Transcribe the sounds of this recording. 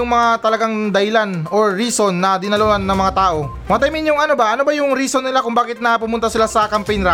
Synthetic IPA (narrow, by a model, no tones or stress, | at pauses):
ʊŋmɐŋat̪ɐlɐɡaŋd̪ɐhɪlano̞ɹːiːso̞nːɐd̪ɪnɐloʔanːɐŋmɐŋat̪aːʔo̞ | mɐmɐt̪ɐjmɪnjʊŋɐno̞bɐʔɐno̞bɐjʊŋɾiːsonːɪlakʊŋbaːkɪt̪̚nɐpʊmʊnt̪asɪlasɐkɐmpɛjnɾa